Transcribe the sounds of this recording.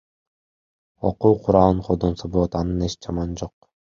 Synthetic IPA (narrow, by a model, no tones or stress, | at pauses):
oquːqʰuɾɑlˠɯɴqʰod̪onsoboːt̪ɑnɯneʃd͡ʒɑmɑnd͡ʒoq̚